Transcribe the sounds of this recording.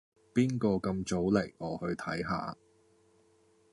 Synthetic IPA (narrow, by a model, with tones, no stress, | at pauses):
piː˥nkɔː˧kɐ˧mt͡so˨˥wle˨˩j̚ʔɔː˨˧hɵ˧ɥt̪ʰɐ˨˥jɦa̰ː˨